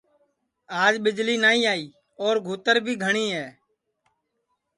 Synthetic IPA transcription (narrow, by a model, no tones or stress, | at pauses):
aːd͡ʒɓɪd͡ʒliːnaːiːaːiː | ɔːɾɡʱuːt̪əɾbʱiːɡʱəɳiːɦɛː